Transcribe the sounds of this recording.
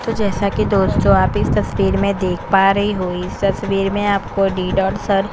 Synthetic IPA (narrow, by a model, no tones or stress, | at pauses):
t̪od͡ʒɛːsakid̪oːst̪d͡ʒoaːpɪst̪ɐsʋiːɾmẽd̪eːkʰpaːɾɐɦiɦoːiɪst̪ɐsʋiːɾmẽaːpkoɖiːɖɔːɾsɐɾ